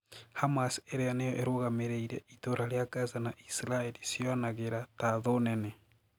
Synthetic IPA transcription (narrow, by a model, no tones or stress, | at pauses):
hamaseɾejanejoʔeɾoɣameɾeiɾeitoɾaɾjakazanaʔisiɾaeɾisjonaɣeɾataðonene